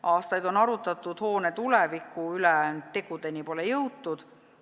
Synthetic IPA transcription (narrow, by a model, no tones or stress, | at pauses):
ʔɑːst̪ɑjd̪̥o̞nɑɾut̪ːˑɑt̪ːˑud̪̥ho̞ːnet̪ulɛvikːˑuylɛt̪e̞ɡ̥ud̪e̞nipo̞lejɤwt̪ːud̪̥